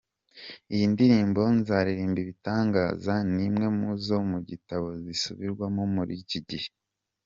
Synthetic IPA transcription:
ijindiɾiːmbo̞nzaɾiɾiːmbiβitaːŋɡaːzanimŋe̞muzo̞muɟitaβo̞zisuβiɾɡwamomuɾiciɟihe

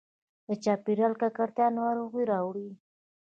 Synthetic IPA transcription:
d̪ət͡ʃɑpiɾalkakaɽt̪jɑnwaɾʊɣujɾɑwɽi

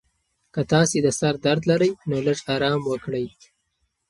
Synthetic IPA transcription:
kət̪ɑsed̪əsaɾd̪aɾd̪laɾəjnoləʐɑɾɑmwəkɽəj

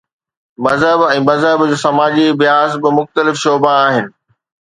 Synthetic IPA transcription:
mɐzɦəbɛ̃ːmɐzɦəbd͡ʑoːsɐmaːd͡ʑibɪjaːzbɪmʊxt̪əlɪfʃoːbaaːɦɪnɪ̆

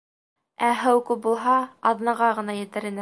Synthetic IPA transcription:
æɦæwkʉp̚bulˠɦɑɑðnɑʁɑʁɤ̆nɑjɘ̆t̪ɘ̆ɾɘ̆nɘ

